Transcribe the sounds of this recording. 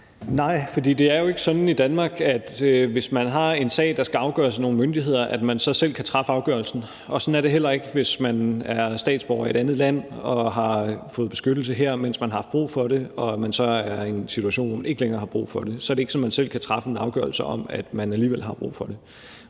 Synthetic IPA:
nɑ̈ɪ̰fɒ̽dḭːd̥e̝æɐjoe̝ɡ̥əsɒ̽nid̥ænmɑ̈ːɡ̥æd̥ʋe̝smænɦɑ̈e̝nsɛ̰ːɪd̥ɑ̈sɡ̥æɑ̈ʊɡ̥ɶ̰ɐseno̝ːn̩mønd̥iɦe̝ð̞̰ˠɐʔæd̥mænsɒ̽sel̰kʰæt͡sʰʁɑ̈fəɑ̈ʊɡ̥ɶɐlsn̩ | ɒ̽sɒ̽næɐde̝ɦel̰ɐe̝ɡ̥əʋe̝smænæɐsd̥ɛ̰ːd̥sb̥ɒʊɐie̝d̥ænð̩ˠlæn̰ɒ̽ɦɑ̈fɔ̽ːðˠb̥e̝sɡ̥ød̥l̩səɦeɐ̰men̰smænɦɑɑfb̥ʁṵːfɒ̽ɾe̝ɒ̽mænsɒ̽æɐe̝nsit͡sʰuæɕo̝̰ːnʋɒ̰ːmæne̝ɡ̥əleŋɐːhɑ̈b̥ʁṵːfɒ̽d̥e̝sɒ̽æɐɾee̝ɡ̥sɒ̽nmænsel̰kʰæt͡sʰʁɑ̈fəenɑ̈ʊɡ̥ɶ̰ɐlsəɒ̽mæd̥mænæliːʋelɦɑ̈b̥ʁṵːfɒ̽d̥e̝

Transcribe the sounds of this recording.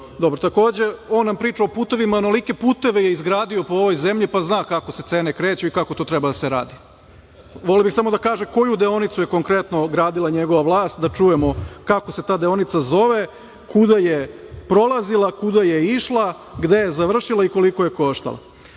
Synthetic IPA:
d̪o̞bɾot̪ako̞ːd͡ʑe̞o̞ːnːampɾiːt͡ʃaopuːt̪e̞ʋimaonolike̞puːt̪e̞ʋeje̞izɡɾaːd̪io̞po̞oʋo̞jze̞mʎipaznaːkakose̞t̪e̞ːne̞kɾe̞ːt͡ɕuikako̞t̪oːt̪ɾebad̪aseɾa̰ːd̪i | ʋo̞lebixsamo̞d̪akaːʒeko̞jud̪eo̞nit̪suje̞ko̞ŋkɾe̞t̪no̞ɡɾaːd̪ilˠaɲe̞ɡoʋaʋlˠaːst̪d̪at͡ʃuje̞mo̞kakose̞t̪aːd̪eo̞nit̪sazo̞ʋe̞ | kud̪ajepɾo̞lˠazilˠakud̪ajeiʃlˠa | ɡd̪e̞je̞zaʋr̩ʃilˠaiko̞liko̞je̞ko̞ʃt̪a̰lˠa̰

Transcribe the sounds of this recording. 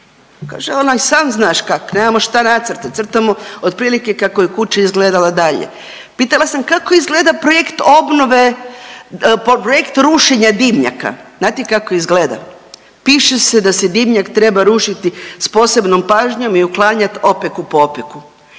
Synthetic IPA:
ka̰ːʒeonasaːmznaːʃkakoneːmamoʃt̪anat̪sr̩t̪at̪sr̩t̪amood̪pɾiːlike̞kakojekut͡ʃaizɡleːd̪alad̪aʎḛ | piːt̪alˠasamkakoizɡleːd̪apɾojekt̪o̞bnoʋe̞ | ppɾojekt̪ɾuːʃe̞ɲad̪imɲa̰ka̰znaːt̪ikakoizɡleːd̪a̰ | piːʃesed̪ased̪imɲakt̪ɾe̞baɾuʃit̪ispo̞ːse̞bno̞mpaːʒɲo̞miuklˠaːɲat̪o̞pekupoopeku

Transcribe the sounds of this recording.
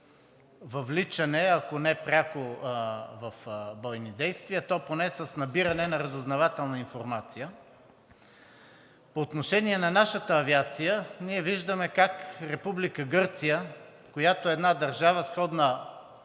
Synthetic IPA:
vɐvlit͡ʃɐnɛɐkonɛpɾʲako | vɐfbɔjnid̪ɛjst̪viət̪ɔponɛsəsnɐbiɾɐnɛnɐɾɐzʊznɐvat̪ɛlˠnɐinfoɾmat̪sijə | poːt̪noʃɛniɛnɐnaʃət̪əːviat̪sijəniɛviʒd̪əmɛkakɾɛpublikəɡɤɾt̪sijə | kojat̪oɛːd̪nad̪ɐɾʒavəsxɔd̪nə

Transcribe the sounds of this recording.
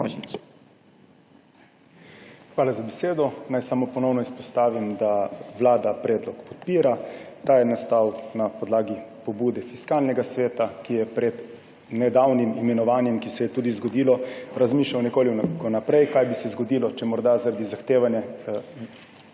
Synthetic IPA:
ʒi | xʋaːlazabɛseːd̪ɔnajsamopɔnɔwnɔispɔst̪aːʋimd̪aʋlaːd̪apɾɛːd̪lɔkpɔ̥t̪̚piːɾat̪aːjɛnast̪aːwknapɔd̪laːɡipɔbuːd̪ɛfiskaːlnɛɡasʋeːt̪akijɛpɾɛd̪ | nɛd̪aːwnimimɛnɔʋaːnjɛmkisɛjɛt̪uːd̪izɡɔd̪iːlɔɾazmiːʃlawnɛkoːlikɔnapɾɛjkajbisɛzɡɔd̪iːlɔt͡ʃɛmɔɾd̪azaɾad̪izaxt̪eːʋanjɛ

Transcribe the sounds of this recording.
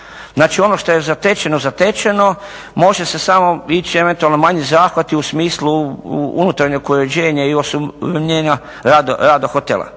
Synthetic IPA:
znaːt͡ʃio̞no̞ʃt̪o̞je̞zat̪et͡ʃenozat̪et͡ʃeno̞ | mo̞ʒe̞se̞samo̞it͡ʃie̞ʋe̞nt̪ualnomaɲizaːxʋat̪iusmiːsluṵnut̪aɾɲekoɾed͡ʑeːɲaiosuɲeːɲa | ɾad̪oɾaːd̪oxot̪elˠa̰

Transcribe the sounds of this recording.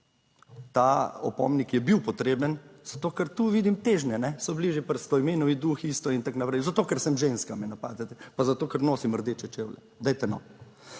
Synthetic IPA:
t̪aɔ̰pɔ̰mnikjɛbiwpɔt̪ɾeːbənz̥at̪oːkəɾt̪uːʋiːd̪imt̪eːʒnɛnɛsɔbliʒjɛpəɾst̪ɔimeːnɔʋid̪uxiːst̪ɔint̪aknapɾɛɪjzat̪oːkɛɾsɛmʒenskamɛnapa̰ːd̪ɛt̪ɛpazat̪oːkəɾnoːsiməɾd̪eːt͡ʃɛt͡ʃewlɛ̰ | d̪ɛjt̪ɛnɔ̰

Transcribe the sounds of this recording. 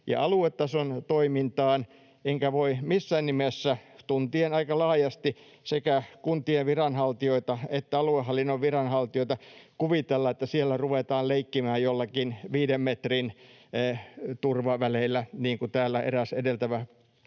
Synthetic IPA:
jɑ̰ɑluet̪ːɑsont̪oimint̪ɑːn | eŋkæʋoimisːæːnnimesːæt̪unt̪ienɑikɑlɑːjɑst̪i | sekækunt̪ieʋʋirɑnhɑlt̪ioit̪ɑet̪ːæɑluehːɑlːinːoʋʋirɑnhɑlt̪ioit̪ɑkuʋit̪elːɑet̪ːæsielːæruʋet̪ɑːlleikːimæːjjolːɑkinʋiːdemmet̪rinː | t̪urʋɑʋælelːæniːŋkut̪æːlːæʔḛræsedelt̪æʋæ

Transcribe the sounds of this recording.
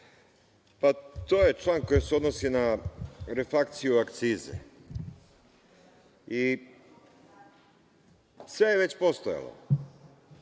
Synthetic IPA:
pat̪o̞ːje̞t͡ʃlˠaːnko̞jiseo̞d̪nosinaɾefak̚t̪sijuakt̪siːzḛ | i | sʋejeʋe̞t͡ɕpo̞st̪oja̰lo̰

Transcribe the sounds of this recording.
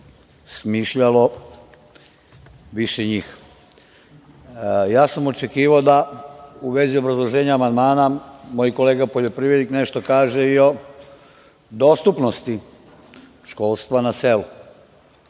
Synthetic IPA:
smiːʃʎalo̞ | ʋiʃeɲiːx | jaːsamo̞t͡ʃe̞kiːʋaod̪auʋe̞zio̞bɾazlˠo̞ʒeːɲaːmand̪maːnamo̞jkole̞ːɡapo̞ʎo̞pɾiːʋjed̪ikne̞ʃt̪o̞kaːʒeio̞ | d̪o̞st̪upno̞st̪i | ʃko̞ːlˠst̪ʋanase̞lu

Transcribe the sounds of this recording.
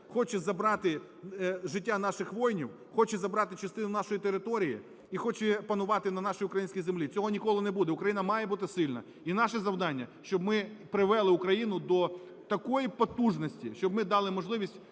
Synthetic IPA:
xɔt͡ʃɛzɐbɾɑt̪ɪ | ʒɪtʲːanɑʃɪxʋɔjnʲiw | xɔt͡ʃɛzɐbɾɑt̪ɪt͡ʃɐst̪ɪnʊnɑʃɔjit̪eɾɪt̪ɔɾʲijḭ | ixɔt͡ʃɛpɐnʊʋɑt̪ɪnɐnɑʃʊjʊkɾɐjinʲsʲkʲijzemlʲit͡sʲɔɦɔnʲikɔlˠɪnebud̪ɛʊkɾɐjinɐmɑjɛbut̪ɪsɪlʲnɐ̰ | inɑʃɛzɐwd̪ɑnʲːɐ̰ʃt͡ʃɔbmɪpɾɪʋɛlˠɪʊkɾɐjinʊd̪ɔ | t̪ɐkɔjipɔt̪uʒnɔsʲtʲḭʃt͡ʃɔbmɪd̪ɑlˠɪmɔʒlˠɪʋʲisʲtʲ

